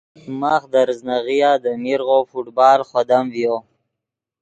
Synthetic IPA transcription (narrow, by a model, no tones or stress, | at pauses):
maːxd̪aɾznaɣijaːd̪əmiɾɣofuʈbɑːlχwad̪amvjo